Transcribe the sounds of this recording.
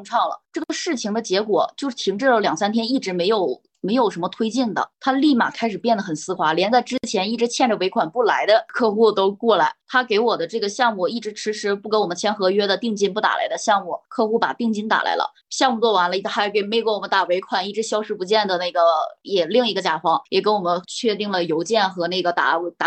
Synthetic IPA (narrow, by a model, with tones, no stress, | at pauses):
ʊ˥˧ŋʈ͡ʂʰɑ˥˩ŋlə̰˩ʈ͡ʂɤ˥˩ə˩ʂɻ̩˥˩t͡ɕʰi˧˩ŋd̪ə˧t͡ɕjɛ˧˥kwɔ̰˨˩t͡ɕjo˥˧ʊʂɻ̩˩t̪ʰi˧˥ŋʈ͡ʂɤ˥˩ljɑ˨˩ŋsa˥nt̪ʰjɛ˥ni˥˩ʈ͡ʂɻ̩˧˥me˧˥ɪjo˨˩˦ʊ | me˧˥ɪjo˨˩ʊʂə˧˥mə˧t̪ʰwe˥ɪt͡ɕi˥˩nd̪ə̰˩t̪ʰa˥li˥˩ma̰˨˩kʰa˥ɪʂɻ̩˨˩pjɛ˥˩nd̪ə˩xə˨˩nsɹ̩˥xwa˧˥ljɛ˧˥nt͡sa˥˩ɪʈ͡ʂɻ̩˥t͡ɕʰjɛ˧˥ni˥˩ʈ͡ʂɻ̩˧˥t͡ɕʰjɛ˥˩nʈ͡ʂə˩we˧˥ɪkʰwa˨˩npu˥˩la˧˥ɪd̪ə˧kʰɤ˥˧xu˥˧t̪o˥ʊkwɔ˥˩la˧˥ɪt̪ʰa˥ke˧˥ɪwɔ˨˩d̪ə˦ʈ͡ʂɤ˥˩ɡə˩ɕjɑ˥˧ŋmu˥˩i˥˩ʈ͡ʂɻ̩˧˥ʂʰɻ̩˧˥ʂɻ̩˧˥pu˥˩ke˧˥wɔ˨˩mə˦nt͡ɕʰjɛ˥nxɤ˧˥ɥɛ˥d̪ə˨t̪i˥˧ŋt͡ɕi˥npu˥˩t̪a̰˨˩la̰˧˥ɪd̪ə˧ɕjɑ˥˧ŋmu˥˩kʰɤ˥˧xu˥˩pa̰˨˩t̪i˥˧ŋt͡ɕi˥nt̪a̰˨˩lʔa̰˧˥ɪlə̰˧ | ɕjɑ˥˧ŋmu˥˩t͡swɔ˥˩wa˧˥nlə˧a˧˥˩ke˧˩ɪme˧˥ɪkwɔ˥˩wɔ˨˩mə˦nt̪a˨˩we˧˥ɪkʰwa˨˩ni˥˩ʈ͡ʂɻ̩˧˥ɕjɑ˥ʊʂɻ̩˥˩pu˧˥t͡ɕjɛ˥˩nd̪ə˩na˥˩ɡə˩jɛ˨˩li˥˩ŋi˧˥ɡə˧t͡ɕja˨˩fɑ˧˥ŋjɛ˨˩kə˧˥nwɔ˨˩mə˦nt͡ɕʰɥɛ˥˧t̪i˥˩ŋlə˩jo˧˥ʊt͡ɕjɛ˥˩nxɤ˧˥na˥˩ɡə˩t̪a̰˨˩˧t̪a˧